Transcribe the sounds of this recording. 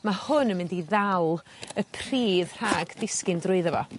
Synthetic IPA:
mahʊnəmɪndiðawlˠ | əpʰr̥iːðr̥aːɡdɪskɪndrʊɨðəvɔ̰

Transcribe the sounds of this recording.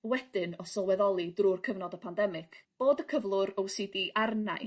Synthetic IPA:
wɛd̥ɪnɔsɔlˠwɛðɔlˠidrurkʰəvnɔdəpʰandɛmɪkʰb̥oːdəkʰəvlˠʊɾɔwsɨdiʔarnaj

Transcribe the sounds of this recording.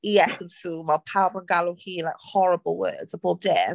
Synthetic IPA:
jɛsumaɪpʰawəbə̃nɡalohiːlaɪkhɔɹəbəlˠwɜ̰ːdz̥əb̥ɔb̚d̥ɛ

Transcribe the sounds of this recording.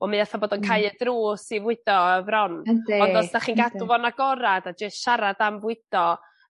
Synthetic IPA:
ɔmɨaθabɔːdɔnkʰajədruːsivwɪd̥ɔəvrɔndɔndɔsnaχiːnɡadvɔnaɡɔɾadad͡ʒəstʃaɾadamvwɨd̥ɔ

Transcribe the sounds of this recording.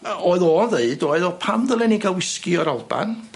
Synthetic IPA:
oɨðɔðeɨdɔɨðɔpʰamðəlˠɛniɡawɪskɨɔɾalˠb̥a̰n

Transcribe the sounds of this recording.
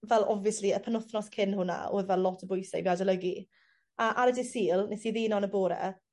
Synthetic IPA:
vɛlˠɔviəsliəpʰənʊθnɔskʰɪnhʊna̰o̰ːðvɛllɔtʰəbʊjsa̰jbadələɡi | aʔaɾədɪsiːlˠnesiðiːnɔnəboːɾɛ̰

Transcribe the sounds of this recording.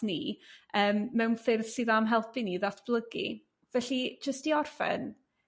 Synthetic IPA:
niəːmːɛwnfɪrð̥sɨðamɦɛlˠpʰiniðatʰb̥lˠəɡḭ | vɛɬid͡ʒəstiɔrfɛ̰n

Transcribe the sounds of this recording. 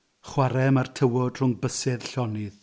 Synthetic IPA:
χwaɾɛmartʰəwɔd̥r̥ʊŋbəsɛðɬɔnɪð

